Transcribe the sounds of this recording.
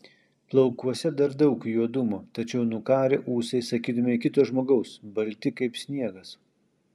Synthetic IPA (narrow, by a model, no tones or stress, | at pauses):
plˠɐʊkuɔsʲɛd̪ɐɾd̪ɐʊkjuɔd̪ʊmoːt̪ɐt͡ʃʲɛʊnʊkɑːɾʲɪʔuːsɐɪsɐkʲiːd̪ɐmʲɪɪkʲɪt̪uːʒmoːɡɐʊsbɐlʲt̪ʲɪkɐɪpsʲnʲiɛɡɐs